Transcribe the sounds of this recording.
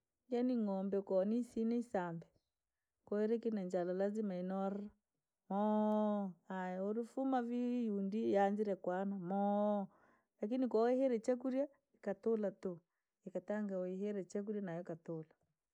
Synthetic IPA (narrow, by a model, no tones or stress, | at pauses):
janiŋɔmbɛkɔnisinɛisambɛ | kɔɛɾɛkinɛɲd͡ʒalalazimainɔra | mɔ | ajɛoɾifumavijundijand͡ʒiɾɛkwanamɔ | lak̬inikawɛhɛɾɛt͡ʃak̬uɾja | ikatolatu | ikataŋɡawaiɦɛɾɛt͡ʃak̬uɾjanajɔkatola